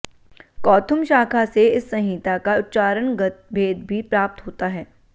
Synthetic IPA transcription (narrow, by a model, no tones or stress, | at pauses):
kɔːt̪ʰʊmʃaːkʰaseɪsːɐ̃ɦĩːt̪akaʊt̪ːt͡ʃaːɾənɡ̪bʱeːd̪̚bʱipɾaːp̚t̪ɦoːt̪aɦɛː